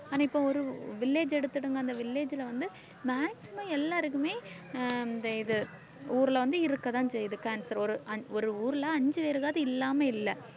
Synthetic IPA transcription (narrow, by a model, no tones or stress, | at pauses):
aːnãːɪpːoɔɾɯʋɪlːeːd͡ʒɛɽɯt̪ːɯɽɯŋɡɐɐnd̪ɐʋɪlːeːd͡ʒɪlɐʋɐnd̪ɯ | maːksɪmaːɛlːaːɾɯkːɯmeː | nd̪ɐɪðɯ | uːɾɯlɐʋɐnd̪ɯɪɾɯkːɐt̪ãːɲd͡ʒɐɪðɯkaːnsɐɾɔɾɯʔɐɔɾɯuːɾlɐɐɲd͡ʒɯʋeːɾɯɣaːðɯɪlːaːmeɪlːɛ